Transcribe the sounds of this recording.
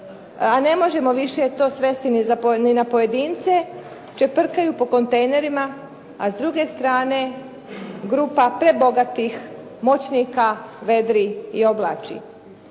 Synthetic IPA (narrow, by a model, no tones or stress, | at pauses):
ane̞mo̞ʒe̞mo̞ʋiʃet̪o̞ːsʋe̞st̪inizaninapo̞jed̪iːnt̪se̞ | t͡ʃepr̩kajupo̞ko̞nt̪ejne̞ɾima | azd̪ɾuɡe̞st̪ɾaːne̞ | ɡɾuːpapɾe̞bo̞ɡat̪ix | mo̞t͡ɕnikaʋe̞d̪ɾiio̞blˠat͡ʃḭ